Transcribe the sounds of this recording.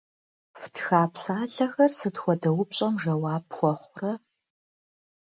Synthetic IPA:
ftʰxaːpsaːɮɐxɐrsɨtxʷɔdɐwʊpɕʼɐmʒɐwaːpxʷɔχʷʊrɐ

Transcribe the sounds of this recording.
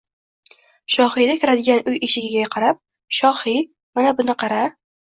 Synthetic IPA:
ʃɒhijd̪akʲʰɪɾad̪ɪɡʲanʔʊjeʃɪɡʲɪɡʲaqʰɑɾap̚ | ʃɒhi | manabʊnɪqʰɑɾa

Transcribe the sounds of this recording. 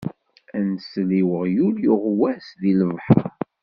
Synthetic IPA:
ænsliwəʁjuljʊʁwæsðiləvˤħə̰ɾ

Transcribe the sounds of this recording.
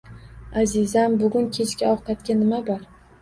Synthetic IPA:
azɪzambʊɡʲʊnkʲʰe̞t͡ʃkʲaɒʁqat̪kʲanɪmabɒɾ

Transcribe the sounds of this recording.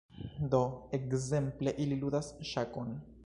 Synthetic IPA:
d̪o̞e̞kze̞mple̞ʔililudasʃako̞n

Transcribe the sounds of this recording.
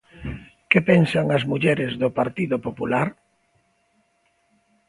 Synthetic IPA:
kepensaŋɐzmuʎɛɾɪzðʊpaɾt̪iðʊpopulaɾ

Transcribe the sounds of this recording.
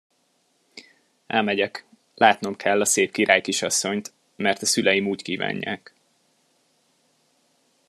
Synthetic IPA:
ʔɛ̰lmɛɟɛk | lʔaːt̪no̞mkʰɛlːɒseːpkiɾaːjkiʃɒsːo̞ɲt̪ | mɛrt̪ɒsylɛjimuːckiːva̰ːɲːa̰ːk

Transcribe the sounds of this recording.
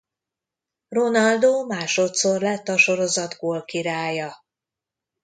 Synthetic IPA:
ronɒld̪oːmaːʃo̞t̪so̞rlɛt̪ːɒʃo̞ɾo̞zɒd̪ɡoːlkiɾaːjɒ

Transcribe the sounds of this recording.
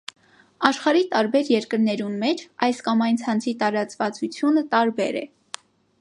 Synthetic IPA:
ɑʃχɑɾit̪ɑɾbɛɾjɛɾkəɾnɛɾunmɛt͡ʃʰɑjskɑmɑjnt͡sʰɑnt͡sʰit̪ɑɾɑt͡svɑt͡sut͡sʰjunət̪ɑɾbɛɾɛ̰

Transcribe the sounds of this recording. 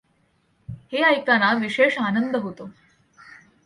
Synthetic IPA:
heajk̚t̪anaʋiʃeʂanənd̪əɦot̪o

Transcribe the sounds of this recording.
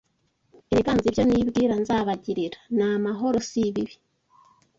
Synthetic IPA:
eβiɡaːnzivjoniːβɡiːɾanzaβaɟiɾiɾḁnamaɦo̞ɾo̞siβiβi̥

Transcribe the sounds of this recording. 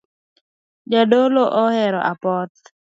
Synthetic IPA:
d͡ʒadoloʔɔhɛɾɔ̰ʔapɔt̪̚

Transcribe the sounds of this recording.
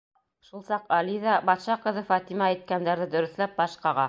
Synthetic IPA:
ʃulˠsɑqɑliðɑbɑt̪ʃɑqɤ̆ðɤfɑt̪imɑæjt̪̚kænd̪æɾðɘd̪ɵ̆ɾɵ̆θlæp̚bɑʃqɑʁɑ

